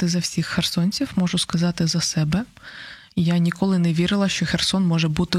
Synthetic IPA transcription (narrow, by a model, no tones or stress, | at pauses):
t̪ɪzɐwsʲixːersɔnʲt͡sʲiwmɔʒʊskɐzɑt̪ɪzɐsɛbɛ | janʲikɔlˠɪnɛʋʲiɾɪlˠɐʃt͡ʃɔxersɔnmɔʒɛbut̪ɪ